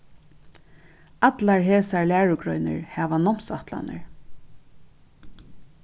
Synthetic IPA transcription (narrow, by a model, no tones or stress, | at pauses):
at̪laɹɦeːsaɹlæːɹʊɡɾɔjnɪ̰ɹhɛːʋanɔm̥saht̪la̰nə̰ɹ